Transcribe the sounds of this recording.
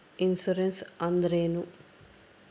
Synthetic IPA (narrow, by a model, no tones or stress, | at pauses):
insuɾensɐnd̪ɐɾeːnu